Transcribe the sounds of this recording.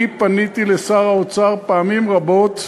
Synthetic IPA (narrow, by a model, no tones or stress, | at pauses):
ipanit̪ilesaʁaot͡saʁpaːmimʁabo̞t̪